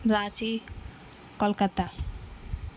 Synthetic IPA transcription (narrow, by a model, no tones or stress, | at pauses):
ɾat͡ʃi | kʌlkət̪a